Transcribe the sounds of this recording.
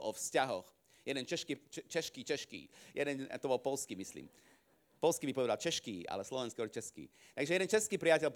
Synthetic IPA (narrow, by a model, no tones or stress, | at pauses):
ʔɔfscaɦɔx | jɛd̪ɛnt͡ʃɛʃkit͡ʃɛt͡ʃɛʃkiːt͡ʃɛʃkḭːjɛd̪ɛnt̪ɔbɔlpɔlskiːmislḭːm | pɔlskiːbipɔʋɛd̪alt͡ʃɛʃkiːʔa̰lɛslɔʋɛnskiɔɾt͡ʃɛskḭː | t̪aɡʒɛjɛd̪ɛnt͡ʃɛskiːpɾiacɛlp